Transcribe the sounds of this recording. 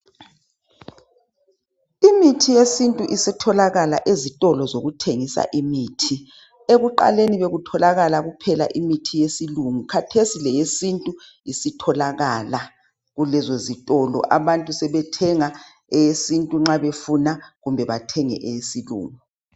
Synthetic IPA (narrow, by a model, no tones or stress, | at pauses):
imitʰijesintʼuʔisɛtʰɔlaɣala̰ʔezitʼɔlɔzoɣutʰeŋisa̰ʔimiːtʰi | eɣuǃa̰leniβeɣutʰɔlaɣalaɣupʰɛla̰ʔimitʰijesiluŋukʰatʰesilɛjesintʼu | isitʰɔlaɣala | ɣulɛzozitʼɔlɔ̰ʔaβantʼusɛβɛtʰɛŋa | ɛjesintʼuŋ͡ǁaβefunaɣumbʱɛβatʰɛŋɛ̰ʔɛjesilṵːŋu